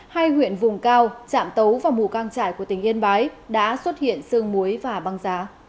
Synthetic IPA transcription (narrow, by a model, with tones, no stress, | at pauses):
haː˧jhwḭ˧˨ənvʊ˨˩ŋ͡mkaː˧wt͡ɕa̰ː˧˨mt̪ə˨˦wvaː˨˩wmu˨˩kaː˧ŋt͡ɕa̰ː˧˨jku˧˩ət̪ï˩ŋ̟ʔi˧ənɓaː˨˦jɗa̰ː˧˥swə˦˥t̚hḭ˧˨ənsɨ˧əŋmu˨˦jvaː˨˩ɓa˨˧ŋzaː˨˦